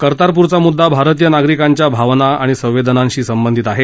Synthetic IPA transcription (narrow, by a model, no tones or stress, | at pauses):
kəɾt̪aɾp̬uɾt͡samud̪ʱːabʱaɾt̪̬ijənaɡɾikaɲt͡ɕjabʱaʋnaaɽ̃isə̃wʋed̪ənãnɕiːsəmbənd̪ʱit̪aɦe